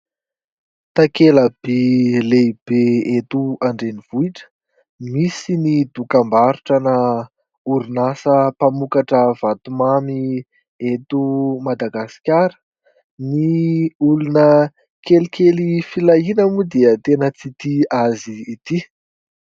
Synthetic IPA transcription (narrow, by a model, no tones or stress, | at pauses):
t̪akeləb̥eleb̥eet̪uaɳɖ͡ʐeniv̥uiʈ͡ʂə̥ | misinid̪ukambaɾuʈ͡ʂəna | uɾinasəpamukaʈ͡ʂəv̥at̪umami | et̪umad̪aɡasi̥kʲaɾə̥ | niulunə | kelikelifilainəmud̪eət̪enət͡sit̪iaziːt̪i